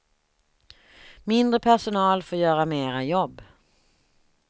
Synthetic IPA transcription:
mɪnd̪ɾəpʰæʂʊnɑːlfoːɾjœːɾameːɾajɔbː

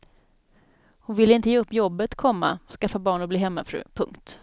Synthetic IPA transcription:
hʊnvɪlːəɪnt̪əjeːɵpːjɔbːət̪kʰɔmːa̰skafːabɑːɳɔbliːɦɛmːa̰fɾʉ̰ːpʰɵŋkt̪

